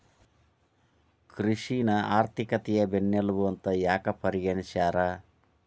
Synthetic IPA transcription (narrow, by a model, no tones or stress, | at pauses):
kɾiʂinɐaːɾt̪ʰikɐt̪ɛjɐbenːjɐlubuɐnt̪ɐjaːkɐpɐɾiɡɐɳiʃaːɾa